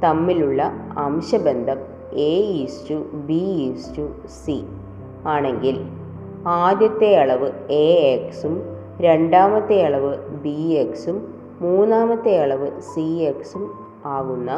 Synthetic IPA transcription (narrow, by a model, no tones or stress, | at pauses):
t̪ɐmːiluɭːɐɐmɕɐbe̞nd̪ʱɐm | eːistubiistu | si | aːɳe̞ŋɡil | aːd̪jɐt̪ːeɐɭɐʋɨeːeksum | ɾe̞ɳɖaːmɐt̪ːejɐɭɐʋɨbieksumː | uːnːaːmɐt̪ːejɐɭɐʋɨsieksum | aːɣunːɐ